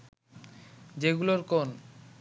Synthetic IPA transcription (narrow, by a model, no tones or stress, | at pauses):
d͡ʑeɡuloɾkon